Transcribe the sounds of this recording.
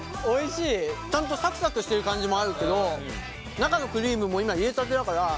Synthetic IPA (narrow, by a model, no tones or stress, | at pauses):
o̞iɕiːt͡ɕãnt̪̬o̞sakɯ̟̥sakɯɕi̥t̪eɾɯ̟kãɲ̟d͡ʑimo̞aɾɯ̟ke̞d̪o̞ | nakano̞kɯ̟ɾʲiːmɯ̟mo̞imaiet̪at̪̬eakaɾa